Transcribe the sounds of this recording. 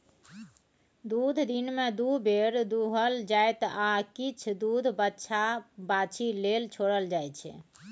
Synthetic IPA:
d̪ud̪ʱd̪inmed̪ubʱeɾd̪uɦəld͡ʒajt̪akit͡ʃʰd̪ud̪ʱbətːʃʰabat͡ʃʰilelt͡ʃʰoɽəld͡ʒajt͡ʃʰɛ̰

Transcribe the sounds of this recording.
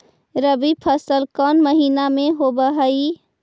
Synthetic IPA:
ɾəbipʰəsəlkɔːnməɦiːnamẽɦobəɦəi

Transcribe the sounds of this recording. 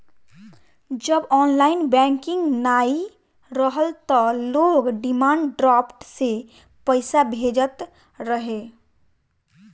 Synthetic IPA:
d͡ʒəbɔːnlaɪnbɛ̃ŋkɪ̃ŋɡnai | ɾəɦəlt̪ɔloɡɖimaɳɖɖɾɔpʈse | pəɪsabʱed͡ʒət̪ | ɾəɦe

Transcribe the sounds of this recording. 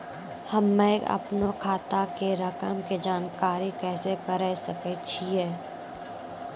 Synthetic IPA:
hɐmːɛ̃ɐ̰pnokʰaːt̪akeɾɐkəmked͡ʒaːnkaːɾikɛːsekəɾəsɐket͡ʃʰiɦɛː

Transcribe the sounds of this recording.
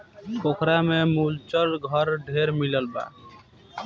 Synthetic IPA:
kokʰɾamemult͡ʃəɽɡʱʌɾɖʱeɾmiləlba̰

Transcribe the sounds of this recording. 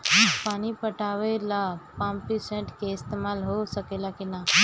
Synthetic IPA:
paːñipəʈaʋelapãmpisẽɳʈkeɪst̪emalɦosəkelakena

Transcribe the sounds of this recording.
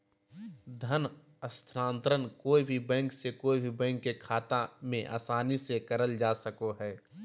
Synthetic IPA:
d̪ʱən | əst̪ʰɾãːnt̪ɾənkoːibʱibɛ̃ːŋksekoːibʱibɛ̃ːŋkːekʰaːt̪amẽʔa̰ːsaːnisekɐɾəld͡ʒaːsəkoɦɛː

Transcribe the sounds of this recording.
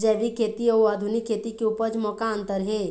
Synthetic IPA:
d͡ʒɛɽikʰːet̪iəwad̪ʱunikʰːet̪ikeupəd͡zmɔkaənt̪əɾɦe

